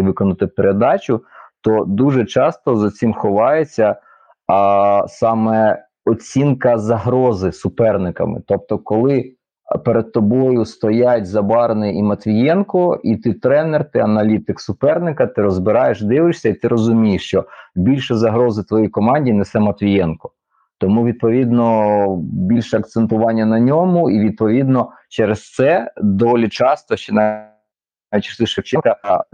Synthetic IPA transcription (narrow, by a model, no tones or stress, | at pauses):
ʋɪkɔnɐt̪ɪpeɾed̪ɑt͡ʃʲʊt̪ɔd̪uʒɛt͡ʃɑst̪ɔzɐt͡sʲimxɔʋɑjet͡sʲːɐ | sɑmɛ | ɔt͡sʲinkɐzɐɦɾɔzɪsʊpɛrnɪkɐ̰mɪ̰t̪ɔp̚t̪ɔkɔlˠɪ | peɾed̪̚t̪ɔbɔjʊst̪ɔjatʲzɐbɑɾnɪimɐt̪ʋʲijɛnkɔit̪ɪt̪ɾɛnɛrt̪ɪɐnɐlʲit̪ɪksʊpɛrnɪkɐt̪ɪɾɔzbɪɾɑjeʃd̪ɪʋɪʃsʲɐit̪ɪɾʔɔzʊmʲijeʃt͡ʃɔbʲilʲʃɛzɐɦɾɔzɪt̪ʋɔjijkɔmɑnʲdʲinɛsɛmɐt̪ʋʲijɛnkɔ̥ | t̪ɔmuʋʲid̪̚pɔʋʲid̪nɔ | bʲilʲʃɛɐkt̪sent̪ʊʋɑnʲːɐnɐnʲɔmʊiʋʲid̪̚pɔʋʲid̪nɔ | t͡ʃɛɾest̪sɛd̪ɔʋɔlʲit͡ʃɑst̪ɔʃt͡ʃɪnɑ | ʋʲit̪ʲsˠɪʃɐkt͡ʃɛnkɐ